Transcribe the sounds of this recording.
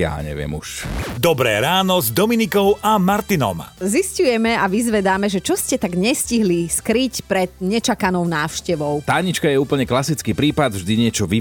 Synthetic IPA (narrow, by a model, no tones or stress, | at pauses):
ja̰ːɲɛ̰ʋɪɛ̰mṵʃd̪ɔbɾɛ̰ːɾaːnɔzd̪ɔminikɔʊʔamaɾt̪inɔ̰mziscujɛmɛaʋizʋɛd̪aːmɛʒɛt͡ʃɔscɛt̪aɡɲɛsciɦliskɾicpɾɛd̪ɲɛt͡ʃakanɔʊnaːʊʃcɛʋɔʊt̪aːɲit͡ʃkajɛuːpl̩ɲɛklasit͡skiːpɾiːpad̪vʒd̪iɲɪɛt͡ʃɔʋi